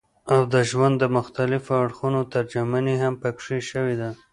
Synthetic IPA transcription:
awd̪əʒwand̪ːəmʊxt̪alɪfoaɽxunot̪aɾd͡ʒamaneɦampakʂeʃəwed̪a

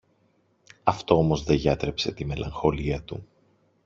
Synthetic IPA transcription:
ɐft̪o̞omo̞zðe̞ʝɐt̪ɾe̞pse̞t̪ime̞lɐ̰ŋxo̞liɐt̪u

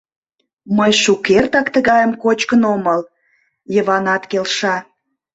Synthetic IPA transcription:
məjʃukert̪ɑkt̪əɣɑjəmkot͡ɕkənoməl | jəβɑnɑt̪kelʃɑ

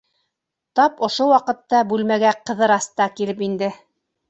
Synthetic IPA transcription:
t̪ɑpŏʃowɑqɤ̆t̪ːɑbʉlmæɡæqɤ̆ðɤɾɑst̪ɑkilɘp̬ind̪ɘ

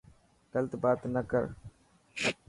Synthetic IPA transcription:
ɡələt̪baːt̪nəkə̰ɾ

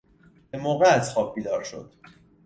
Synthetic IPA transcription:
emoːɣeæzxɒːb̚biːd̪ɒːɾʃo̞̰d̪̥

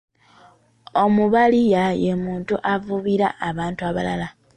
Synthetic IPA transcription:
o̞muβalijajemuːntuʔavuβiɾa̰ʔːβaːntuaβalala

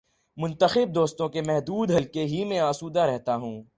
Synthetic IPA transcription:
mʊ̃nt̪əxɪb̚d̪oːst̪õkemɛɦd̪uːd̪ɦɐlkeɦimɛ̃aːsuːd̪aɾɛɦt̪aɦũː

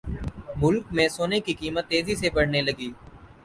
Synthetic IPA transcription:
mʊlkmẽsoːnekikiːmət̪ːeːzisepɐɽ̤nelɐɡiː

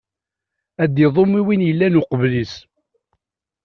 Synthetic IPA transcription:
æd̪iðˤomːiwinjəlːænʊqəvlis

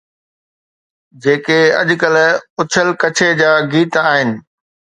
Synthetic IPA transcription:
d͡ʑeːkeɐ̰ʄkəlʊt͡ɕʰəlkɐt͡ɕʰed͡ʑaːɡiːt̪aːɦɪnɪ̆

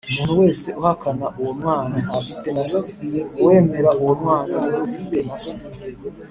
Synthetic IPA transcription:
umuːn̥uwe̞ːse̞ʔuhakanaʔuwomwaːnaːfite̞nasowe̞ːme̞ɾauwomwaːnanoofite̞naso̥

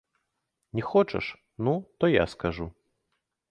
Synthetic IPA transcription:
nʲɛxɔt͡ʂɐ̰ʂ | nut̪ɔja̰skaʐu

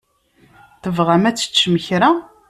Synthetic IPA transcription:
θəvʁamæt͡sːə̥t͡ʃːməçɾa

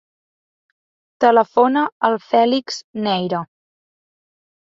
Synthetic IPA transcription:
t̪ələfonəəlˠfɛlikz̥nɛjɾə

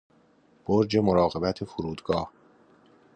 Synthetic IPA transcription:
b̥oɾd͡ʒe̞moɾɒːɣe̞bæt̪ʰefuɾuːd̪ɡɒːh

